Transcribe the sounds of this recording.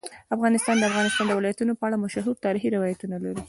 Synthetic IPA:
afɣɑnɪst̪ɑnd̪əafɣɑnɪst̪ɑnd̪əwɪlɑjat̪unopəaɽamaʃaɦuɾt̪ɑɾixiɾɪwɑjat̪unalaɾi

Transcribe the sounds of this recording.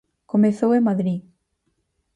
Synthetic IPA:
komeθowemaðɾi

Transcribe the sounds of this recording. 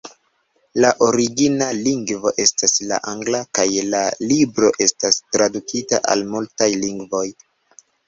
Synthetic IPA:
laʔo̞ɾiɡinaliŋɡvo̞ʔe̞stasla̰ʔaŋɡlakajlalibɾo̞ʔe̞stastɾadukʰitaʔa̰lmultajliŋɡvo̞j

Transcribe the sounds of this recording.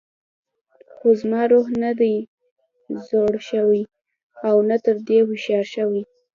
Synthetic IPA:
xozmɑɾoɦnad̪aj | zoɽʃəwi | awnat̪əɾd̪ewɪʃɑɾʃəwi

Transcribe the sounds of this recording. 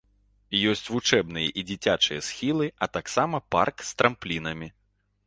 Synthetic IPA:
jɔsʲt͡sʲvut͡ʂɛbn̪ɨjɛ̰ʔid͡zʲit͡sʲat͡ʂɨjɛsxʲilˠɨɐt̪aksamɐpa̰rkst̪ɾɐmplʲinɐmʲi

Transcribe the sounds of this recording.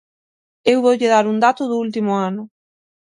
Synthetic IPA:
ewβowʎɪðaɾund̪at̪ʊðʊult̪̬imʊanʊ

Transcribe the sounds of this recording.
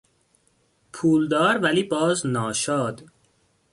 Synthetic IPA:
pʰuːld̪ɒːɾvæliːbɒːznɒːʃɒːd̪

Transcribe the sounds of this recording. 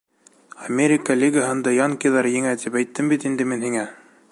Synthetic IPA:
ɐmʲeɾʲɪkalʲiɡaɦɤ̆nd̪ɑjɑŋkijðɑɾjɘ̆ŋæt̪ipæjt̪ːɘmbit̪ind̪ɘminhiŋæ

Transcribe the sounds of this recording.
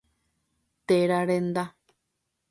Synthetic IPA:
t̪eɾaɾend̪a

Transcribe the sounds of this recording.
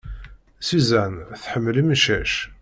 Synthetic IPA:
sizænθħəmːəlimʃæʃ

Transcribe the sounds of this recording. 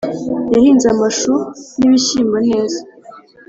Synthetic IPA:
jahiːnzamaʃuniβiɕiːmbane̞ːza

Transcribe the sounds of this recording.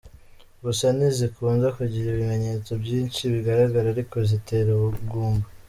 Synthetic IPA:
ɡusanizikʰuːnzakuɟiɾiβime̞ɲe̞ːt͡so̞bɟiːnt͡ʃiβiɡaɾaɡaɾaɾiko̞zite̞ːɾuβuɡuːmba

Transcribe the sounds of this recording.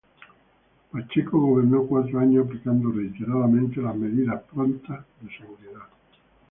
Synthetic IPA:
pat͡ʃekoɣoβeɾnokwat̪ɾoaɲosaplikand̪oreit̪eɾaðamẽnt̪elazmeðiðahpɾont̪aðeseɣuɾiða

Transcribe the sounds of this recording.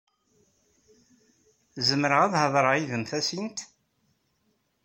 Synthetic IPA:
zəmːɾəʁæðhəðˤɾˤəiðəmθæsint̪

